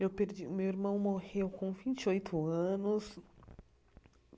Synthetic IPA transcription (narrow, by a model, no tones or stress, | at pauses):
ewpeɾd͡ʒimewiɾmɐ̃w̃mohewkõw̃vĩnt͡ʃiojt̪ʰʊɐ̃nʊs